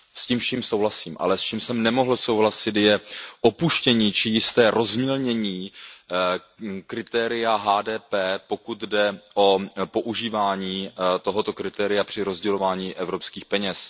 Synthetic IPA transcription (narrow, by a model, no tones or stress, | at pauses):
sciːmʃiːmso̞wɦlasiːmʔa̰lɛst͡ʃiːmsɛmnɛmo̞ɦl̩sowɦlasɪt̪jɛʔopuʃcɛɲiːt͡ʃɪjɪst̪ɛːɾʔo̞zmilɲɛɲiː | kɾɪt̪ɛːɾɪjaɦaːdɛːpɛːpo̞kut̪dɛʔo̞po̞ʔuʒiːvaːɲiːt̪o̞ɦo̞t̪okɾɪt̪ɛːɾɪjapr̥ɪɾo̞zɟɛlo̞vaːɲiːʔɛvɾo̞pskiːxpɛɲɛs